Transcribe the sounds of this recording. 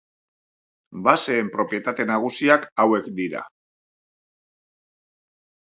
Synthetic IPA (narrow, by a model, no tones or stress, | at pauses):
base̞ːmpɾo̞pje̞t̪at̪e̞naɣ̞usiakawe̞kd̪iɾa̰